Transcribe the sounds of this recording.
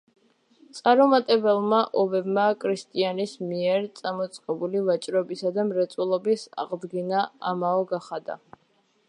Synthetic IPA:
t̪sʼaɾɔmat̪ʼɛbɛlˠmaʔɔbɛbmakʼʰɾist̪ʼianismiɛɾt̪sʼamɔt̪sʼqʼɛbulivat͡ʃʼɾɔbisad̪amɾɛt̪sʼulˠɔbisa̰ʁd̪ɡinaamaɔɡaχad̪a̰

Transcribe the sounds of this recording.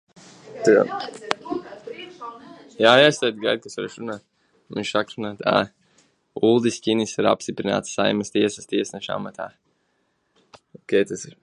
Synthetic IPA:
t̪ɨa̰ | jaːjast̪ɛjd̪ɡajd̪̚kasvaɾɛʃɾunaːt̪̚ | mḭnʃsakɾunaːt̪a̰ː | ulˠd̪iskʲinisiɾa̰pst̪ipɾina̰ːt̪ssajməst̪iɛsəst̪iɛsnɛʃa̰mat̪a̰ː | ɔkʲɛjt̪asiɾ

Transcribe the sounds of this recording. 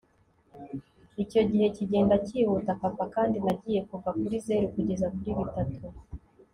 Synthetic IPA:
ico̞ɟihe̞ciɟe̞ːndaciːhutapapakaːndinaɟiːje̞kuvakuɾize̞ːɾukuɟe̞zakuɾiβitatʰu

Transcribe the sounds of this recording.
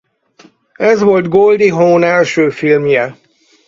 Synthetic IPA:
ɛzʋo̞ld̪ɡold̪iɦoːnɛlʃøːfilmjɛ

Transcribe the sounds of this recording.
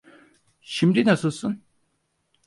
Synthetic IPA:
ʃimd̪inasɯlˠsun

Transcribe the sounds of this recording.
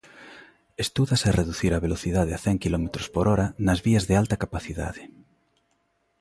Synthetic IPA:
est̪uðasareðuθiɾɐβeloθiðað̞eaθɛŋkilɔmet̪ɾospoɾɔɾɐnɐzβiɐzðealt̪ɐkapaθiða̰ðɪ

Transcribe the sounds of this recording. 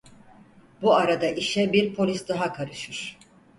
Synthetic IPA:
buaɾad̪aʔiʃɛbiɾpʰo̞lʲisd̪aɦakʰaɾɯʃɯɾ̥

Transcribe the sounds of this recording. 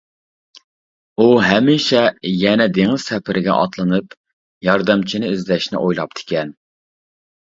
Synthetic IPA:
uɦɛmiʃɛjɛnɛd̪eŋɪz̥sɛpʰɪɾɪɡʲɛ̰ʔɑ̰t̪lˠɨnɨp | jɑɾd̪ɨmt͡ʃʰinɪyzlɛʃnɪ̰ʔojlˠɑp̚t̪ʰɪ̥kʲɛn

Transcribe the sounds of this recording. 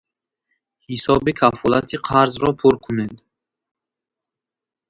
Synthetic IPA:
hisɔbikʰafɔlat̪ʰiqʰaɾzɾɔpʰuɾkʰuned̪

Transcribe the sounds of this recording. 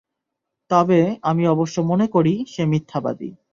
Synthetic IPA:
t̪ɔbeamiɔboʃːomonekoɾiʃemit̪ʰːaba̰d̪ḭ

